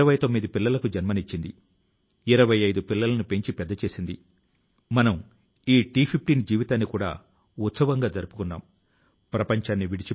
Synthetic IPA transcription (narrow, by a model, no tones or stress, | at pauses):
ɐʋɐjt̪o̞mːid̪ipilːɐlɐkud͡ʒɐnmɐnit͡ʃːind̪ḭ | iɾɐʋɐjɐjd̪upilːɐlɐnupe̞ɲt͡ʃipɛd̪ːɐt͡ʃe̞ːsind̪ḭ | mɐnɐm | iːʈiːpʰip̚ʰʈiːnd͡ʒiːʋit̪aːnːikuːɽa̰ː | ut̪sɐʋɐŋɡaːd͡ʒɐɾupu̥kunːa̰ːm | pɾɐpɐɲt͡ʃaːnːiʋiɽit͡ʃi